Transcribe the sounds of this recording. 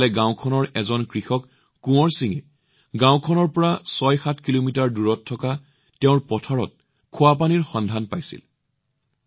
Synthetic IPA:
lɛɡãʊ̃kʰɔnɔɹɛzɔnkɹixɔkː | ũɔɹsiŋɛ̰ | ɡãʊ̃kʰɔnɔɹpɔɹasɔjxatʰkilomitaɹduɹɔtʰːɔka | tɛʊ̃ɹpɔtʰaɹɔ̰t̚ | kʰʊwap̬aniɹxɔndʱanpajsḭl

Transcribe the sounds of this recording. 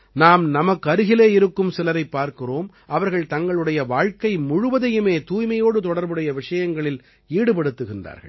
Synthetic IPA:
naːmnɐmɐkːɐɾɯɣɪleːɪɾɯkːɯmsɪlɐɾɐɪpːaːɾkɪroːm | ʔɐʋɐɾɣɐɭt̪ɐŋɡɐɭɯɽɐjɐʋaːɻkɐɪmʊɻʊʋɐðɐjɯmeːt̪uːjmɐjoːɽɯt̪ɔɽɐɾbɯɽɐjɐʋɪʂɐjɐŋɡɐɭɪl | iːɽɯpɐɽɯt̪ːɯɣɪndra̰ːɾɣɐ̰ɭ

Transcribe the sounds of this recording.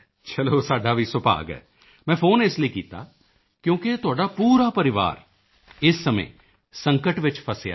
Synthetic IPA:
t͡ʃəloːsaːɖaːʋiːsʊpa̰ːɡɦɛ̰ː | mɛ̃ːpʰoːnɪsliiːkiːt̪a̰ː | kjõːket̪ʊaːɖaːpuːɾaːpəɾɪʋa̰ːɾ | ɪsːəmḛ̃ː | sə̃ŋkəʈʋɪt͡ʃpʰəsja̰ː

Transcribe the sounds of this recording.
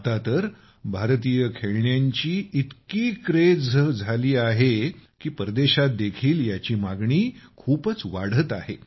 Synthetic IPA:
t̪at̪əɾ | bʱaɾt̪iːjəkʰeɭɳjaɲt͡ɕiːit̪kiːkɾed͡zd͡zʱaliːaɦekiːpəɾd̪eɕat̪̚d̪ekʰiːljat͡ɕiːmaɡɳiːkʰuːpət͡sʋaɽ̤ət̪aɦe

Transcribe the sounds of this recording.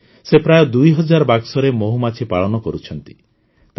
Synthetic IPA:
sepɾajɔd̪ujɦɔd͡ʒaɾɔbaɡsɔɾemoɦumat͡ʃʰipaɭɔnɔkɔɾut͡ʃʰɔnt̪i̥ | t̪

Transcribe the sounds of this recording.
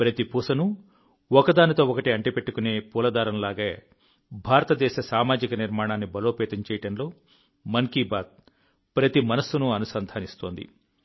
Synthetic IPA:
pɾɐt̪ipuːsɐnu | ɔkɐd̪aːnit̪o̞ːɔkɐʈiɐɳʈipe̞ʈːukune̞ːpuːlɐd̪aːɾɐmlaːɡɐː | bʱaːɾɐt̪ɐd̪ɛːʃɐsaːmaːd͡ʒikɐniɾmaːɳaːnːibɐlo̞ːpɛːt̪ɐɲt͡ʃɛːjɐɽɐnlo̞ː | mɐŋkiːbaːd̪̚ | pɾɐt̪imɐnɐsːunuɐnusɐnd̪ʱaːnist̪o̞ːnd̪ḭ

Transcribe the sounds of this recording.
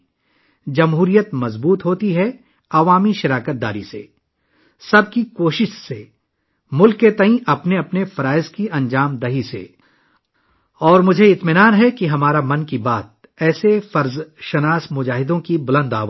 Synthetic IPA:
d͡ʒɐmɦuːɾijət̪mɐzbuːt̪ɦoːt̪iɦɛ | ɐʋaːmiʃɐɾaːkət̪̚d̪a̰ːɾḭsḛ | sɐb̚kikoːʃɪʃse | mʊlkːet̪ɐɦĩʔɐpneɐpnefɐɾaːɪzkiɐ̃nd͡ʒaːmd̪ɐɦisḛ | ɔːɾmʊd͡ʒʱeɪt̪mɪnaːnɦɛkiɦɐmaːɾamɐ̃nkibaːt̪̚ | ɛːsefɐɾzʃɐnaːsmʊd͡ʒaːɦɪd̪õkibʊlə̃nd̪aːʋ

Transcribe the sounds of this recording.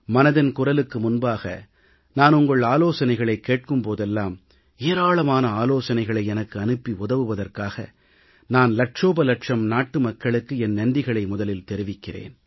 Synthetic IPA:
mɐnɐðɪnkʊrɐlɯkːɯmʊnbaːɣɐ̰ | naːnʊŋɡɐɭaːloːsɐnɐɪɣɐɭɐɪkːeːʈ̚kɯmpoːðɛlːaːm | eːɾaːɭɐmaːnɐaːloːsɐnɐɪɣɐɭɐɪɛnɐkːɯɐnɯpːiʊðɐʋɯʋɐðɐrkaːɣɐ̰ | naːnlɐʈʂoːbɐlɐʈʂɐmnaːʈːɯmɐkːɐɭɯkːɯɛnnɐnɖ̪ɪɣɐɭɐɪmʊðɐlɪlt̪ɛɾɯʋɪkːɪrḛːn

